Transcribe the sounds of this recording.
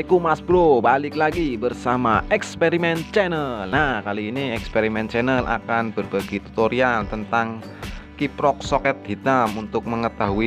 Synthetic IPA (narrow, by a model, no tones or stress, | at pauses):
ikumasb̥ɾobalɪk̚laɡibərsamaɛkspeɾimɛnt͡ʃɛnəlnakaliːniɛkspeɾimɛnt͡ʃɛnəlʔa̰kanbərb̥aɡ̥it̪u̥t̪oɾialt̪ənt̪aŋ | kipɾɔk̚sɔkɛt̪̚hi̤t̪amunt̪ʊk̚məŋət̪aɦui